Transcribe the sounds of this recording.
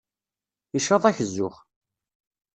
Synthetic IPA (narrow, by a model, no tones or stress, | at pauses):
iʃɑðˤæçəzːʊχ